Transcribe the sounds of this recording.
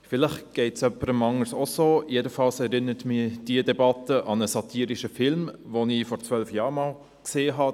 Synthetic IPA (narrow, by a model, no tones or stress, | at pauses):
fɪlɪχɡ̥ɛɪtsœpːəɾəmɑŋəɾsosoːjedəfɑlsɛɾɪnəɾətmɪd̥iədɛbɑtəʔɑnəsɑtʰiːɾiʃəfɪlmvonifɔɾt͡sʋœlfjɑːɾmɑːl | kseːɦɑ